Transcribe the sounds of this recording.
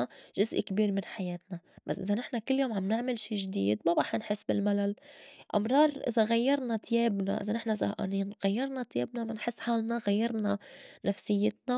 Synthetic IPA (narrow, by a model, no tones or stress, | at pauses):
ʒʊzʔkbiːɾmɪnħajeːt̪̚nab̥asʔɪzanɪħnakɪlːjoːmʕamnɪʕmɪlʃiːʒd̪ḭːd̪mabaːħnħɪsːbɪlmalalʔɑ̰mɾˤɑːɾˤʔɪ̰zaɣajːɑɾˤnat̪jeːbna̰ʔɪ̰zanɪħnasa̰ʔa̰niːnɣajːɑɾˤnat̪jeːbnamɪnħɪsːħaːlnaɣajːɑɾˤnanafsɪjːɪt̪na